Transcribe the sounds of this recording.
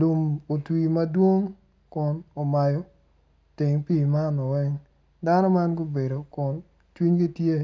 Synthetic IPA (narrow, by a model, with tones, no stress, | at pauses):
lu˨mo˨twi˨mɐ˦dwo˦ŋ | kʊ˨no˨ma˨jɔ˦ | tɪ˨ŋpi˦˨ma˦nɔ˨wɛ˦ŋ | da˦nɔ˦ma˦nɡo˦be˨do˨kʊ˨n | t͡ʃwi˦ɲɡi˦tje˦